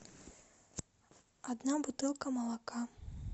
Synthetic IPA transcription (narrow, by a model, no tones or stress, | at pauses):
ad̪nabut̪ɨlˠkɐmɐlˠaka